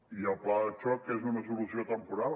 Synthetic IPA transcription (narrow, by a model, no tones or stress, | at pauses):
iəlˠplaðət͡ʃɔkezunəs̬ulusiot̪əmpuɾal